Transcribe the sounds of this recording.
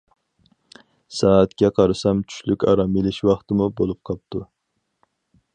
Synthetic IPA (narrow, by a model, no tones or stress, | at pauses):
sɑːæt̪kʲɛqʰɑɾɨsɑmt͡ʃʰy̥ʃlykʲɑ̰ɾɑmilˠɪʃwɑχt̪ɨmubolˠup̚qʰɑp̚t̪ʰu